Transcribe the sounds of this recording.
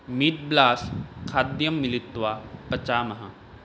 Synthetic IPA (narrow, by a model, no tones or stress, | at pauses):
mit̪̚blaːskʰaːd̪jɐmːɪlɪt̪ːʋaːpɐt͡ʃaːmɐɦɐ̃